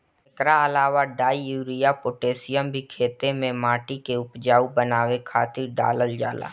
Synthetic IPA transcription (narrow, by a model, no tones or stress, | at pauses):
ɪkɾaəlaːʋaɖaːiuːɾijapoːʈeːsɪjəmbʱikʰeːt̪emẽmaːʈikeʊpd͡ʒaːubənaːʋekʰaːt̪ɪɾɖa̰ːləld͡ʒa̰ːla̰ː